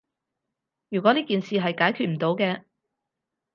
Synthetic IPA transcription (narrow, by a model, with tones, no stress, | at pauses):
jyː˨˩kʷɔ˨˥niː˥kiː˨nsiː˨ɦɐ˨jkaː˨˥jkʰy˨t̚m̩˨˩t̪o˨˧wkɛː˧